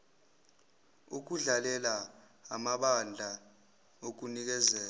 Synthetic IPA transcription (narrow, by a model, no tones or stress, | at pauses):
uk̬uɮalɛla | amaɓand͡ɮʱa | ok̬unik̬ɛzɛːla